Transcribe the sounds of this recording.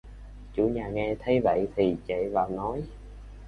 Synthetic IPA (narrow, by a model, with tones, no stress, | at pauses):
t͡ɕṵ˧˩ɲaː˨˩ŋɛ˧t̪ʰə˨˦jvə̰˧˨jt̪ʰi˨˩t͡ɕḛ˧˨vaː˨˩wnɔ˨˦j